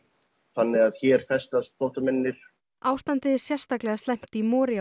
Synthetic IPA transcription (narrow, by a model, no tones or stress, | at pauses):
θanːɪɣaðçɛːɾ̥θɛst̪ast̪fɔht̪amɪnːɪɾ̥ | aːwst̪ant̪ɪðɾsjɛr̥st̪aklɛɣast̪ɛjm̥t̪imɔːɾja